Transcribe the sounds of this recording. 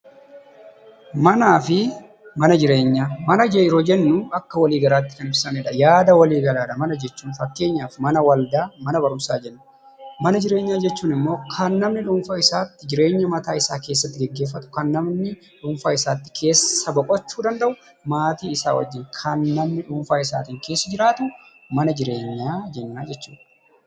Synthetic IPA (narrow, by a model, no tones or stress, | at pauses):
mɐnaːfɪ | mɐnɐd͡ʒɪɾe̞ːɲːaːmɐnɐd͡ʒɛɪɾoːd͡ʒɛnːʊɐkːɐwɐliːɡɐɾaːt̪ːɪ̥kɐnɪbsɐnɛᶑɐjaːd̪ɐwɐliːɡɐlaːᶑɐmɐnɐd͡ʒɛt͡ʃːuːnfɐkːe̞ːɲːaːfmɐnɐwɐld̪aːmɐnɐbɐɾʊmsaːd͡ʒɛnːʊ | mɐnɐd͡ʒɪɾe̞ːɲːaːd͡ʒɛt͡ʃːuːnɪmːo̞ːkʰɐnːɐmnɪᶑʊmfaɪsaːt̪ːɪd͡ʒɪɾe̞ːɲːɐmɐt̪aːɪsaːke̞ːsːɐt̪ːɪɡɛɡːe̞ːf̬ːɐt̪ʊ̥kɐnːɐmnɪ | ᶑʊɱfaːɪsaːt̪ːɪ̥kʰe̞ːsːɐbɐkʼɔt͡ʃːuːd̪ɐnd̪ɐʔʊ | maːt̪iːɪsa̰ːwɐ̰d͡ʒːɪŋkʰɐnːɐmnɪᶑʊɱfaːɪsa̰ːt̪iːŋke̞ːsːɐd͡ʒɪɾaːt̪ʊ | mɐnɐd͡ʒɪɾe̞ːɲːaːd͡ʒɛnːaːd͡ʒɛt͡ʃːu̥̰ːᶑ